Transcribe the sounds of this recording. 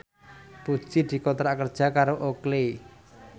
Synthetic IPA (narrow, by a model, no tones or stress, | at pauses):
pu̥t͡ʃid̪̥i̤kot̪ɾakərd̥ʒ̥a̤kaɾoʔokle